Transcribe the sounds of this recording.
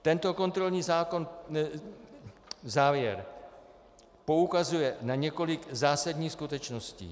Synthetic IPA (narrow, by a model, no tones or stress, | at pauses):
t̪ɛnt̪o̞ko̞nt̪ɾo̞lɲiːzaːkon | zaːvjɛɾ | po̞ukazujɛnaɲɛko̞lɪɡzaːsadɲiːxskut̪ɛt͡ʃno̞scḭː